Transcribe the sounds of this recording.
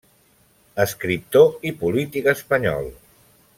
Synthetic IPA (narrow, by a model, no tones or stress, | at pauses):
əskɾip̚t̪oipulit̪ikəspəɲɔ̰lˠ